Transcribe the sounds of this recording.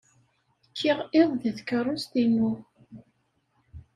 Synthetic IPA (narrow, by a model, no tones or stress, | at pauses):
kʰːiʁɪðˤðəðkərˤːʊst̪inu